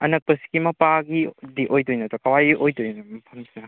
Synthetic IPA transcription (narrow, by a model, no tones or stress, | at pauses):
ɐnɐk̚pɐsi̥ɡimɐpaɡidiʔojtojnɐtɔkɐwajʔojtojnɐmɐpʰɐmsinɐ